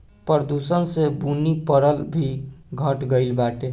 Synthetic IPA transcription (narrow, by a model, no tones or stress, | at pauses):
pəɾd̪usənsebunipəɾəlbʱiɡʱəʈɡəɪlbaʈe